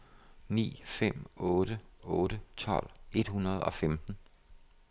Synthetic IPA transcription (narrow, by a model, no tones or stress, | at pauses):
nḭːfem̰ɔ̽ːɾəɔ̽ːɾət͡sʰɒ̽l̰e̝d̥hunɐð̞̩ˠɒ̽femd̥n̩